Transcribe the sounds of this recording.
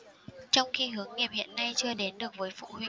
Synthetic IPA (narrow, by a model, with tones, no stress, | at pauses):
t͡ɕɔ˧wŋ͡mxi˧ɦɨ˨˦əŋːi˨˩p̚hḭ˧˨ənːa˧jt͡ɕɨ˧əɗe˨˦nɗɨ˨˩ək̚vəː˨˦jfṵ˧˨hwḭ˧˨